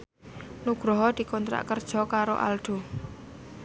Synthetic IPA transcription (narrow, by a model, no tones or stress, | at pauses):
nuɡ̥ɾɔɦɔd̪̥i̤kɔnt̪ɾa̰ʔkərd̥ʒ̥ɔ̤kaɾo̰ʔa̰lɖ̪̥o̤